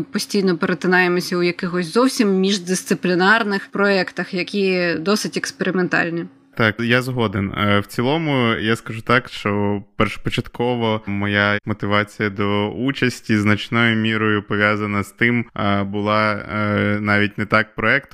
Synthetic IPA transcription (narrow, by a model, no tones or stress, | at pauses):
pɔsʲtʲijnɔpeɾet̪ɪnɑjemɔsʲɐujɐkɪxɔsʲzɔwsʲimːʲiʒd̪ɪst̪sɪplʲinɑrnɪxpɾɔɛkt̪ɐxjɐkʲid̪ɔsɪtʲekspeɾɪment̪ɑ̰lʲnʲi | t̪ɑkjazɦɔd̪enwt͡sʲilˠɔmʊjaskɐʐut̪ɑkʃt͡ʃɔpɛrʃpɔt͡ʃɐt̪kɔʋɔmɔjamɔt̪ɪʋɑt͡sʲijɐd̪ɔut͡ʃɐsʲtʲiznɐt͡ʃnɔjʊmʲiɾɔjʊpɔʋʲjazɐnɐst̪ɪmbʊlˠɑ | nɑʋʲitʲnɛt̪ɑk̚pɾɔɛkt̪